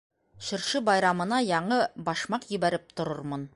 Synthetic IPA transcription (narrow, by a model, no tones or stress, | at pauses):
ɕɵ̆ɾʃɘbɑjɾɑmɤ̆nɑjɑɴɤbɒʃmɑqjɵ̆βæɾɘp̚t̪ŏɾɤɾmɤn